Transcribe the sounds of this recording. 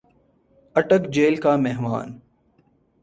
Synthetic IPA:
ɐʈəkd͡ʒeːlkaːmeɦma̰ːn

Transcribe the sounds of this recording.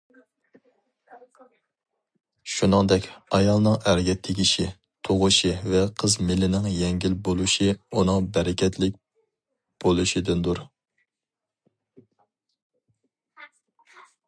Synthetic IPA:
ʃunɨŋd̪ɛkʲɑjɑlˠnɨŋæɾɡʲɛt̪ʰːɪɡʲiʃi | t̪ʰoʁʊʃivɛqʰəzmɪlɪnɪŋjɛŋɡʲilbolˠuʃiunɨŋbɛɾɪkʲʰɛt̪ʰlɪk̚ʲ | b̥olˠuʃid̪ɪnd̪uɾ

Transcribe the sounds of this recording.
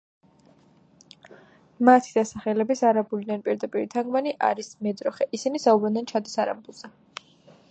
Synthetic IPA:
mat̪ʰid̪asaχɛlɛbisaɾabulid̪anpʼiɾd̪apʼiɾit̪ʰaŋɡmaniʔa̰ɾismɛd̪ɾɔχɛʔisinisaubɾɛnd̪ɛnt͡ʃʰad̪isaɾa̰bulˠz̥ɛ

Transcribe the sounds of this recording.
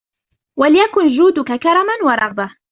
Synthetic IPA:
walɪjakʊnd͡ʒuːd̪ʊkakɑɾˤɑmanwɑɾˤɑɣba

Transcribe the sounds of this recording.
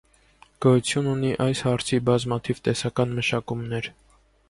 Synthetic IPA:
ɡ̥ɔjut͡sʰjununiʔɑjshɑɾt͡sʰibɑzmɑt̪ʰivt̪ɛsɑkɑnməʃɑkumnɛɾ

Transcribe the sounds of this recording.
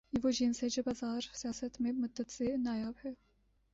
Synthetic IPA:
ivoʒinsed͡ʒɛbɑzɑːɾsijɑːsɛt̪memʊd̪ɛt̪z̥enɑːjɑːbhɛ

